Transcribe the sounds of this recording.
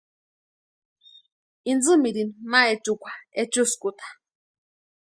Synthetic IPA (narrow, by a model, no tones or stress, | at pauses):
ind͡zɨmiɾinmaɛt͡ʃʼukʷʰaɛt͡ʃuskʼut̪ʰḁ